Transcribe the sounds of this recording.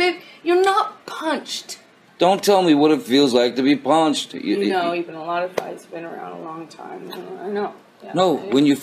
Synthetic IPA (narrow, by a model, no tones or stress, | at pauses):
ɪjə˞nət̚pʰʌ̃nt͡ʃt | d̥õʊ̃ntʰɛlˠmiwʌɾɨtfilˠzlaɪk̚tɨbipʰʌ̃nt͡ʃtjɨ̰noʊivɨ̃nəlɔɾʌv̥ta̰ɪz̥bɨ̃nə˞ã̰ʊ̃ndə̰lɔ̃ŋtʰã̰ɪ̃maɪnoʊ | noʊwɨ̃njɨ